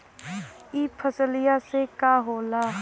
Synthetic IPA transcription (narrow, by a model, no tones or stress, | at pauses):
iːpʰəsəlɪjasekaɦoːla